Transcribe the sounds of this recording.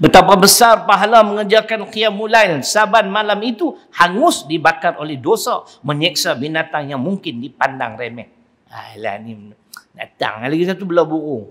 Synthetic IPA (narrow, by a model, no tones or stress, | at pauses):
bət̪apabəsarpaɦalaməŋəd͡ʒakankiamulajnsabat̪̚malamit̪uhaŋʊsdibakarolɛhdosa | məɲɛk̚sabinat̪aŋjaŋmuŋkɪndipanda̰ŋremɛk̚ | a̰jla̰hni | da̰t̪a̰ŋalakit̪at̪ubəlabuɾu